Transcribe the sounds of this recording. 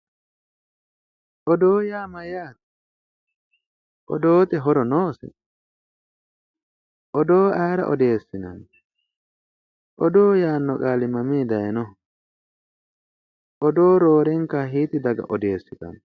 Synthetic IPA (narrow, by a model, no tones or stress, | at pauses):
ʔɔd̪oːjaːmɐjaːt̪ | ʔɔ̰d̪oːt̪ɛɦɔɾɔnoːsɛ̰ | ʔɔd̪o̞ːɐjɾɐ̰ʔɔd̪e̞ːsːɪnɐ̰n | ʔɔd̪oːjaːnːɔkʼaːlɪmɐmiːd̪ɐjɛnɔ | ʔɔd̪o̞ːɾoːɾɛŋkːaɦiːt̪ɪd̪ɐɡɐ̰ʔɔd̪e̞ːsːɪt̪ɐ̰n